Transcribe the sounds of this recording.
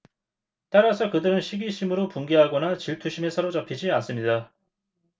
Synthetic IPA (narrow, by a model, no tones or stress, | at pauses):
t͈aɾasʰʌkɯdɯɾɯnɕʰiɡiɕʰimɯɾopuŋɡeɦaɡʌnat͡ɕiɭtʰuɕʰime̞sʰʌɾot͡ɕʌpʰid͡ʑians͈ɯmɲida